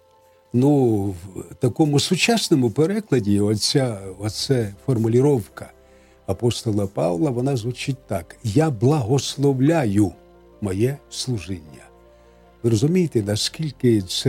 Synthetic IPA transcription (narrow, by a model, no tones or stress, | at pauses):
nuwt̪ɐkɔmʊsʊt͡ʃasnɔmʊpeɾɛklˠɐdʲiɔt͡sʲːaɔsɛfɔrmʊlʲiɾɔwkɐ̥ | ɐpɔst̪ɔlˠɐpɑ̰ʋlˠɐʋɔnɑzʋʊt͡ʃit̚ʲt̪ɑkjablˠɐɦɔslˠɔʋlʲajʊ | mɔjɛslˠʊʒɪnʲːɐ̰ | ʋɪɾɔzʊmʲijɪt̪ɛnɐskʲilʲkɪsɛ